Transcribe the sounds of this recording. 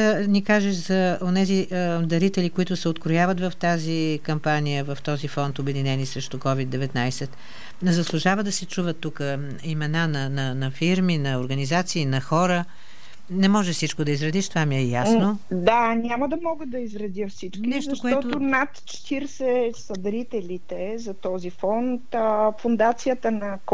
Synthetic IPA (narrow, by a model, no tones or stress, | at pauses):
ənikaʒɛʃzɐonɛzid̪ɐɾit̪ɛlikoit̪ʊsɛot̪kɾojavət̪vɐft̪azikɐmpanijəvɐft̪ɔzifɔnt̪obɛd̪inɛnisɾɛʃt̪ʊkɔvid̪d̪ːɛvɛt̪najsɛt̪ | zɐslˠʊʒavəd̪ɐsɛt͡ʃuvət̪ːukə | imɛnanɐnɐnɐfiɾminɐoɾɡənizat̪siːnɐxɔɾə | nɛmɔʒɛfsit͡ʃkod̪ɐizɾɐd̪iʃt̪ovamiɛjasnod̪anʲaməd̪ɐmɔɡəd̪ɐizɾɐd̪jəfsit͡ʃkʲinɛʃtzɐʃkoɛɔt̪oonat̪t͡ʃt̪iɾsɛsɐd̪ɾit̪ɛlʲit̪ɛzɐt̪ɔzifɔnt̪fʊnd̪at̪sijət̪ənɐk